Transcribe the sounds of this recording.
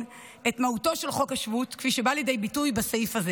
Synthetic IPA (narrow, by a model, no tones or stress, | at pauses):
e̞tmahuto̞ʃe̞lχokaʃvutkfiʃebaljedejbitujbasaifaze